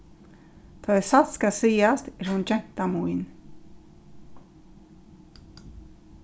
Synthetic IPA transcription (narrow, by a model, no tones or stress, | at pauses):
t̪ʰaðɛsat̪skasiːast̪ɛɾhund͡ʒɛn̥t̪amujn